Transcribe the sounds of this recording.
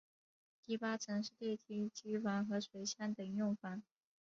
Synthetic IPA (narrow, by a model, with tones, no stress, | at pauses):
t̪i˥˩pa˥t͡sʰɤ˧˥ŋʂɻ̩˥˧t̪jɛ˥˩t̪ʰi˧˥t͡ɕi˧˥fa˧˥nxɤ˧˥ʂwe˧˥ɪɕja˥˩nt̪ə˨˩ŋjʊ˥˩ŋfa˧˥n